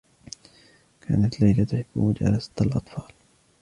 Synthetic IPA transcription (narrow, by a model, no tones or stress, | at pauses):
kʰa̰ːnat̪lajlat̪ʊħɪbːṵmad͡ʒa̰ːlasḁt̪alʔɑ̰t̪ˤfɑːl